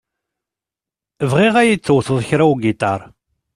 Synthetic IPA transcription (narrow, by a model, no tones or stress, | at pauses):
əvʁiʁæjit͡sθːʊwθəðˤçɾæuɡit̪ɑɾˤ